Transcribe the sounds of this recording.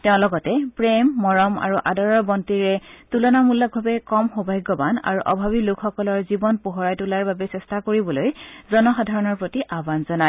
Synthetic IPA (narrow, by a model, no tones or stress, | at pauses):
tɛʊ̃lɔɡɔtɛpɹemːɔɹɔma̰ɹuʔa̰dɔɹɔɹbɔntiɹɛtulɔnamulːɔk̚bʱabɛkɔmxobʱajɡɔbana̰ɹuʔɔbʱaβilʊkʰxɔkɔlɔɹzibɔnpoɦɔɹajtulaɹbabɛsɛstakoɹibɔlojzɔnɔxadʱaɹɔnɔɹpɹotiʔabanzɔna